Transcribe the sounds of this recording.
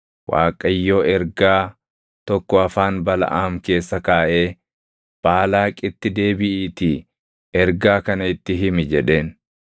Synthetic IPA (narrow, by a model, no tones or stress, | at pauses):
wʔa̰ːkʼɐjːoːɛɾɡaː | t̪ɔkːɔɐfaːnbɐlɐ̰ʔaːmke̞ːsːɐkaːʔe̞ː | b̥aːlaːkʼɪt̪ːɪd̪e̞ːbɪʔiːt̪ɪ | ɛɾɡaːkɐnɐɪt̪ːɪɦɪmɪd͡ʒɛᶑe̞ːn